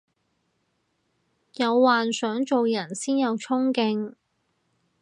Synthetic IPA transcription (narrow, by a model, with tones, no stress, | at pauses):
jɐ˨˧wːaː˨nsœː˨˥ŋt͡so˨wjɐ˨˩nsiː˥njɐ˨˧wt͡sʰʊ˥ŋkɪ˧ŋ